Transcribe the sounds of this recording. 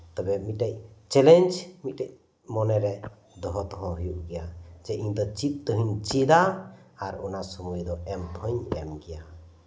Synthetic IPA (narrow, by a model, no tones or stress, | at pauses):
t̪ɔbɛmit̪̚ʈac̚t͡ʃɛlɛnd͡ʒmit̪̚ʈac̚ | mɔnɛɾɛ | d̪ɔɦɔt̪ɔɦɔɦujuʔɡɛjad͡ʒɛʔiɲd̪ɔt͡ʃit̪̚ˀt̪ɔɦiɲt͡ʃid̪aːɾunasɔmujd̪ɔɛmt̪ʰɔɲɛmɡɛja